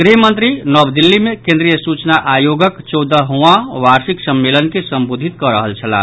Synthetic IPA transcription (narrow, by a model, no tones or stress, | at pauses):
ɡɾiɦmə̃nt̪ɾinɔːbd̪ilːimẽkẽnd̪ɾijəsuːt͡ʃnaʔaːjoːɡəkt͡ʃɔːd̪əɦuãʋaːɾsiksəmːeːlənkesəmboːd̪ʱit̪̚kɔɾəɦəlt͡ʃʰəla̰ː